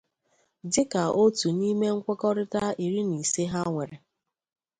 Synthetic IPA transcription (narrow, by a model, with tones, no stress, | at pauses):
dɪ˦ka˨ʔo˦tu˨ni˦me˦ŋ̩˦kʷe˦kɔ˦ɾɪ˦ta˦i˨ɾi˦ni˨se˦ɦa˦ŋʷe˨ɾe˨